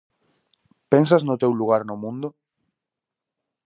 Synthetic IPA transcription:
pensaznʊt̪ewluɣ̞aɾnʊmũnd̪ʊ

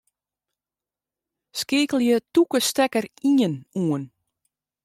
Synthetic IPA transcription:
skɪːkəlˠjətukəstɛkəriənuən

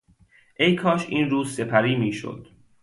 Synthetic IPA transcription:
ʔe̞jkʰɒːʃiːnɾuːzse̞pʰæɾiːmiːʃo̰d̪̥

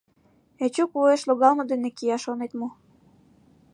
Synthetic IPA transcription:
et͡ɕukvoeʃloɣɑlmɤ̆d̪enekiɑʃonet̪mo

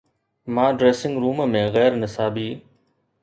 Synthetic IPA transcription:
mãːɖɾeːsɪ̃ŋɡɾuːmmẽɣɛːɾnɪsaːbiː

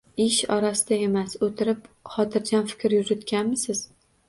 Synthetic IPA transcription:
ɪʃɒɾasɪd̪ae̞masot̪ʰɪɾɪpχɒt̪ʰɪɾd͡ʒanfɪ̥kʲɾjʊzʊt̪kʲanmɪsɪz̥

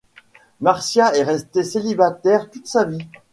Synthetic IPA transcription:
maʁsjaɛʁɛst̪eselibat̪ɛʁt̪ut̪savi

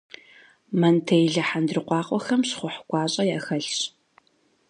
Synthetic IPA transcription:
mɐntʰejɮɐħandrɨqʷɑːqʷʼɔxɐmɕχʷʊħɡʷɑːɕʼɐjaːxɐɬɕ

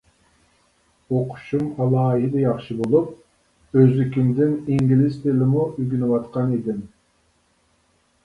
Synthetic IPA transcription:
oqʰʊ̥ʃumɑlˠɑːɦɪd̪ɛjɑχʃɨbolˠup̚ | øzykʲimd̪ɪniŋɡʲilɪzt̪ʰelɪmuyɡʲynɪwɑt̪qɑnid̪ɪm

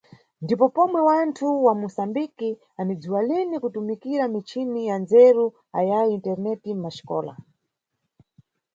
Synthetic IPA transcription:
ndipɔpɔmwɛwantʰuwamusambiki | anid͡zuwalinikutumikiɾamit͡ʃʰinijanzɛɾu | a̰jajiintɛɾnɛtim̩maʃi̥kɔ̰ːla̰

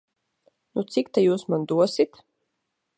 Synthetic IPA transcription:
nut̪sikt̪ajuːsmand̪uɔsit̪

